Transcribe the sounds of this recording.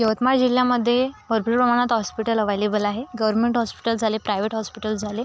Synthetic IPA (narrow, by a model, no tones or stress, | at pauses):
jəʋət̪maɾd͡ʑiljaməd̪ʱːjebəɾbɾiɾpɾəmaɽ̃at̪ɦɔspiʈələʋajlebəlaɦeɡəʋəɾmeɳʈɦɔspi̥ʈəld͡zʱalepɾajʋeʈɦɔspiʈəld͡zʱale